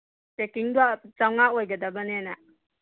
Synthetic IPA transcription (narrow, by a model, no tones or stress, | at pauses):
pekiŋdat͡ʃawŋaojɡɐdɐbɐnena